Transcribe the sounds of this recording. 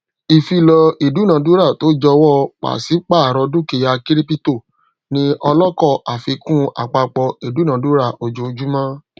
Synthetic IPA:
i˨fi˧lɔ˧i˨du˨˦˨nã˨˦du˦ɾa˦˨to˨˦d͡ʒɔ˧wɔ˦k͡pa̰˨si˨˦k͡pa˦˨a˨ɾɔ˧du˦ke˧˨ja˧ki˦ɾi˦pi˦to˦˨ | nĩ˧˦ɔ˧lɔ˦kɔ˦˨ʔa˨fi˧kũ˦a̰˨k͡pa˧k͡pɔ˧i˨du˨˦nã˨˦du˦ɾa˦˨ʔo˧d͡ʒo˧˦˧d͡ʒu˦mã˦

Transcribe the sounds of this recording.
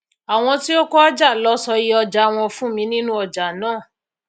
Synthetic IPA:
a˨w̃ɔ̃˧ti˦o˦kɔ˦a˦d͡ʒa˦˨lɔ˨˦sɔ˧ji˧˦ɔ˧d͡ʒa˨˦w̃ɔ̃˧fũ˦mĩ˨˧˦nĩ˦nũ˦ɔ˧d͡ʒa˨nãː˦˨

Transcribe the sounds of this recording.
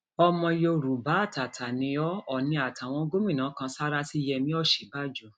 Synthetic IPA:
ɔ˧mɔ̃˧jo˧˨ɾu˨ba˨˦˨ta˨tʰa˨nĩ˧ɔ˦ɔ˨nĩ˧˦a˨ta˨w̃ɔ̃˧˦ɡo˦mĩ˦˨nãː˨˦kã˧sa˦ɾa˦si˦jɛ˧mĩ˦ɔ˦˨ʃe˨˦ba˦d͡ʒu˨˧

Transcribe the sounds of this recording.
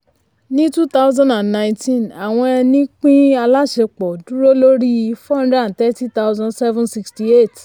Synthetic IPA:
nĩ˦tu˦t̪a˦wzã˧ndã˨nnã˨ĩ˨ntĩ˦˨na˨w̃ɔ̃˧ɛ˧nĩ˦k͡pĩ˦a˧la˦ʃe˧k͡pɔ˨du˨˦ɾo˦lo˦ɾi˦ji˧fɔ̃˦nda˦˨n̩˨tɛ˦ti˦t̪a˦wzã˧nsɛ˦vɛ̃˦nsi˧ksti˧˦e˦˨t

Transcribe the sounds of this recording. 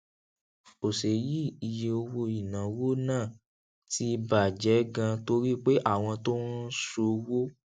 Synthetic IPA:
o˨se˨ji˦i˨˧je˧o˧wo˧i˨nã˨˦wo˦nãː˦˨ | ti˧˦˧ba˨d͡ʒɛ˨˦ɡã˧to˧ɾi˦k͡pe˦ʔa˦˨w̃ɔ̃˧to˦n̩˦so˧wo˦

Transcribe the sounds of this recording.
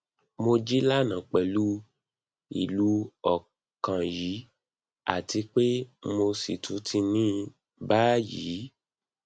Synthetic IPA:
mo˧d͡ʒi˦la˦˨nã˨k͡pɛ˨lu˦ | ḭ˨lu˨˦ɔ˨ | kã˨ji˨˦ | a̰˨ti˧k͡pe˦mo˧si˨tʰu˨˦tʰi˧nĩː˦ | ba˦jḭ˨˦

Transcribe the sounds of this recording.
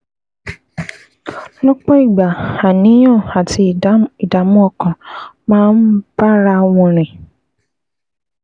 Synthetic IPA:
lɔ˦k͡pɔ˦i˦˨ɡ͡ba˨a˨nĩ˨˦j̃ɔ̃˦˨a˨ti˨˧˨i˨da˨mũ˦ɔ˧kɔ̃˨mãː˦n̩˦ba˦ɾa˧˦w̃ɔ̃˧˨ɾ̃ẽ˨

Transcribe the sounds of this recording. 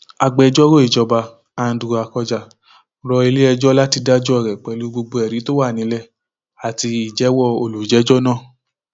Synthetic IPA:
a˧ɡ͡bɛ˧d͡ʒɔ˦ɾo˦i˦˨d͡ʒɔ˧ba˧ | a˧˨n̩˨˦du˨a˨kɔ˧d͡ʒa˧˨ | ɾɔ˧e˧le˦ɛ˧d͡ʒɔ˦la˦ti˧da˦d͡ʒɔ˦ɛ˨ɾɛ˨k͡pɛ˨lu˨˦ɡ͡bo˧ɡ͡bo˧ɛ˨ɾi˨˦to˦wa˦˨nĩ˨˦lɛ˦˨ | a˨ti˧i˨d͡ʒɛ˨˦wɔ˦˨o˧lu˨˦d͡ʒɛ˨˦d͡ʒɔ˦nã˦˨

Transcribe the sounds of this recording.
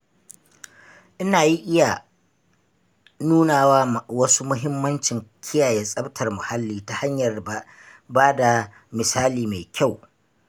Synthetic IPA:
ʔɪ˦naː˨ji˦ʔɪ˦ja˨ | nuː˦naː˨waː˦˨wɐ˦su˦mʊ˦ɦɪ˦mːɐ˦nt͡ʃɪ˨ŋkʲʰɪ˦jaː˨jɛ˦sʼɐ˦btʰɐ˨rmʊ˨ha˦lːiː˦ta˨ha˦ɲjɐ˨r | baː˦da˨ | mɪ˨saː˦liː˨ma˨kʲa˦˨w

